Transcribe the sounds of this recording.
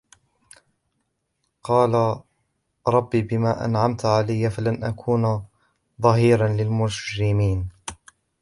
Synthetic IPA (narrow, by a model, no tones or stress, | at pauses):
qɑːla | ɾˤɑbːiːbɪmaːʔa̰nʕamt̪ʕalajːafalanʔakʰuːn | ðˤɑɦiːɾanlɪlmʊd͡ʒɾɪmiːn